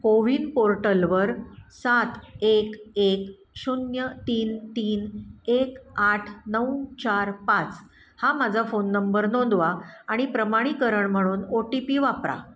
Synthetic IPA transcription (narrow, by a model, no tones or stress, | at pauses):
koʋiːnpoɾʈəlʋəɾsat̪ekek | ɕunjət̪iːnt̪iːnekaʈʰnəwt͡ɕaɾpat͡s | hamad͡zʱafonːəmbəɾnond̪ʋaaɽ̃ipɾəmaɽ̃ikəɾəɳm̤əɽ̃uːnoʈipiʋapɾa̰